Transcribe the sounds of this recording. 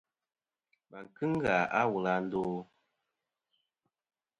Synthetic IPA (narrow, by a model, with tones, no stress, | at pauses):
ma˨ŋ˨kɨ˦ŋ˦ɡa˨a˦wu˨la˨n̩˦doː˦